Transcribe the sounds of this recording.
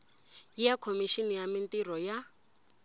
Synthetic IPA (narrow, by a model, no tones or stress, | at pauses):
ijakʰomiʃinijamintirɔja